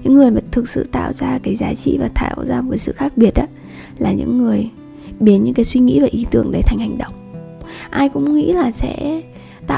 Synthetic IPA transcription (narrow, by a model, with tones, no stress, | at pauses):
ɲɨ̰˧˥ŋːɨ˨˩əjmaː˨˩t̪ʰɨ˨˩k̚sɨ̰˧˨t̪a̰ː˧˨wzaː˧kaː˨˦jzaː˨˦t͡ɕḭ˧˨vaː˨˩t̪ʰa̰ː˧˩wzaː˧vəː˨˦jsɨ̰˧˨xaː˦˥k̚ɓi˨˩ət̚ɗaː˨˦ | laː˨˩ɲɨ̰˧˥ŋːɨ˨˩əj | ɓi˨˦nɲɨ̰˧˥kaː˨˦jswi˧ŋḭ˧˥vaː˨˩ʔi˨˦t̪ɨ˨˧˩əŋɗə˨˦jt̪ʰa˨˩ŋ̟ha˨˩jŋ̟ɗə̰˧˨wŋ͡mʔaː˧jkʊ̰˧˥ŋ͡mŋḭ˧˥laː˨˩sɛ̰˧˥ | t̪a̰ː˧˨